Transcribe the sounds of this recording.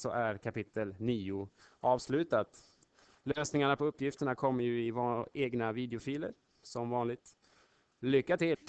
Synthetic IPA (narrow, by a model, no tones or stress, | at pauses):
sɔ̰ʔæɾkʰapɪt̪ʰːəlniːʊ | ɑːvslʉ̟ːt̪at̪ | løːsnɪŋaɳapʰɔɵpːjɪft̪əɳakʰɔmːəjɵɪvɑeːɡnaviːd̪ɛʊfiːlə̰ɾ | sɔmvɑːnlɪɡ̚t̪ | lʏkːat̪ɪl